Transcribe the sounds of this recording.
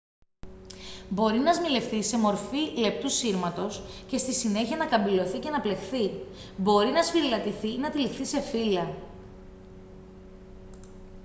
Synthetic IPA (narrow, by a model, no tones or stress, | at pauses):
bo̞ɾinɐzmile̞fθise̞mo̞ɾfile̞p̚t̪usiɾmɐt̪o̞sce̞st̪isine̞çiɐnɐkɐmbilo̞θice̞nɐple̞xθibo̞ɾinɐsfiɾilɐt̪iθinɐt̪ilifθise̞filɐ